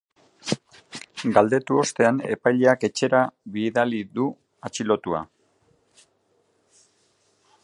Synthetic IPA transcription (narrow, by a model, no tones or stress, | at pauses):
ɡald̪e̞t̪uo̞st̪e̞ane̞̰pajʎeake̞t͡ʃe̞ɾaβiðaliðu | at͡ʃilo̞t̪ua̰